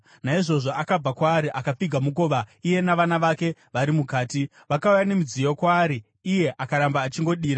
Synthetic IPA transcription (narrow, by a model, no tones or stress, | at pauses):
naiʐo̞ʐo̞ʔakab͡vakwaːɾiʔakap͡fiɡʱamuko̞ːʋaije̞naʋanaʋake̞ʋaɾimukaːti | ʋakaujane̞mud͡zijo̞kwaːɾiː | je̞ʔakaɾambaːt͡ʃiŋɡo̞ɗiːɾa